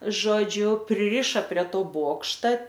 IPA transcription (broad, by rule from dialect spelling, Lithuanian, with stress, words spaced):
ˈʒoːd͡ʒʲʊ pʲrʲɪˈrʲɪʃɐ pʲrʲiɛ ˈtoː ˈboːkʃtɐ